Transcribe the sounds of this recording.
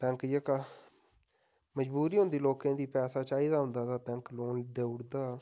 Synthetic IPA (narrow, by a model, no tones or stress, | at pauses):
pɛ̃ŋkjəka | məd͡ʒbuːɾiːɦʊ̃nd̪iːloːkãːd̪iːpɛːsaːt͡ʃaːiːd̪aːɦʊ̃nd̪aːt̪aːpɛ̃ŋkloːnd̪eːʊɽd̪aː